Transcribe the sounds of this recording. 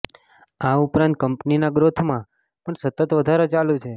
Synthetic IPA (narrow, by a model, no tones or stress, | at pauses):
aupɾãnt̪̚kəmpninaɡɾot̪ʰmã | pəɳsət̪ət̪ʋəd̪ʱaɾot͡ʃalũt͡ʃʰe